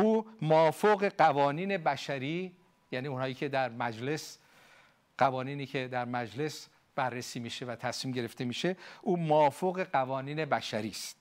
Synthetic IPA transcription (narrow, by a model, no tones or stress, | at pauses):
ʔuːmoɒːfoɣe̞ɢævɒːniːne̞bæʃæɾiː | jæniːunhɒːjiːkʰe̞d̪æɾmæd͡ʒle̞s | ɢ̥ævɒːniːniːkʰe̞d̪æɾmæd͡ʒle̞s | b̥ærːesiːmiːʃe̞væt̪ʰæsmiːmɟe̞ɾe̞ft̪e̞miːʃe̞ʔuːmoːfoɣe̞ɢævɒːniːne̞bæʃæɾiːst̪